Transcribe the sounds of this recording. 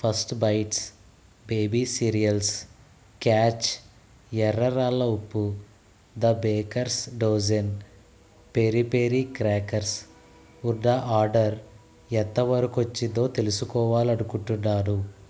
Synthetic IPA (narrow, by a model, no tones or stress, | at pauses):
pʰɐsʈbɐjʈs | beːbiːsiːɾijɐls | kaːt͡ʃ | ɛɾɐɾaːlːɐupːu | d̪ɐbeːkɐɾsɖoːd͡ʒɐn | peːɾipeːɾikɾaːkɐɾs | uɾɖaʔaːɾɖɐɾ | ɛnt̪ːɐʋɐɾɐkuɐt͡ʃːid̪o̞ːt̪e̞lusukɔːʋaːliɐɽukuɳʈunːaːɾu